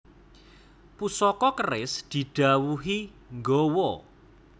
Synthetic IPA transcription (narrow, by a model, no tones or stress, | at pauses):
pusɔkɔkərɪsd̪̥i̤ɖ̪̥a̤wuɦi | ŋɡowɔ